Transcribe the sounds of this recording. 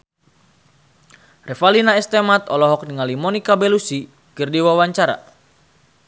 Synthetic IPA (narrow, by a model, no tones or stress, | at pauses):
rɛfalinaɛst̪ɛmat̪ɔlɔɦɔk̚niŋalimɔnikabɛlusi | kɨrdiwawaɲt͡ʃaɾa̰